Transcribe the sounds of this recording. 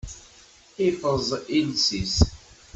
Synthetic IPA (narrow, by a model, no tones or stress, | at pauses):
ifəzˤinsis